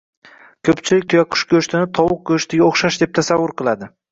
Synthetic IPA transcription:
kʲʰɵpt͡ʃʰɪlɪk̚ʲt̪ʰʊjaqʰʊ̥ʃkʲʰɵʃt̪ʰɪnɪt̪ʰɒwʊq̚kʲʰɵʃt̪ʰɪɡʲaoχʃaʃd̪e̞p̚t̪ʰasavːʊɾqʰɨlˠad̪ɪ

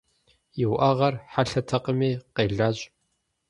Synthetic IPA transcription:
jɪwʔɐʁɐrħaɬɐtʰɐqəmiːqeːɮaːɕʼ

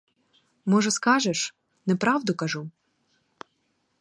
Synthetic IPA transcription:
mɔʒɛskɑʒɛʃ | nɛpɾɑwd̪ʊkɐʒu

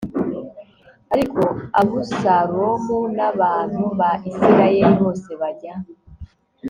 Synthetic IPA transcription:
aɾiko̞aβusaɾoβunaβaːn̥huβaʔisiɾajeɾiβo̞ːse̞βaɟa

